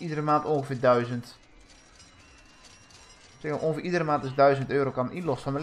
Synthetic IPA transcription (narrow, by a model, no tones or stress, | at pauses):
idərəmaːntõːŋɣəfɪːdœɥzənt | sɛkʔõːŋəfɪːʔidərəmaːntɪsdœɥzəntøːɾokanʔinlɔstfɔnməl